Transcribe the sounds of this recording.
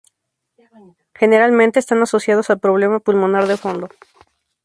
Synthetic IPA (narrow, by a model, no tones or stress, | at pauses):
xe̞ne̞ɾalmẽnt̪eːst̪anaso̞sjað̞o̞salpɾoβ̞le̞mapulmo̞naɾðefo̞nd̪o̞